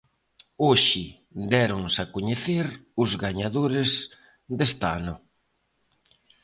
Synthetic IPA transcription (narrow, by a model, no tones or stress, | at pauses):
oʃɪ | d̪ɛɾoŋsakoɲeθeɾʊzɣaɲaðoɾɪs | d̪est̪anʊ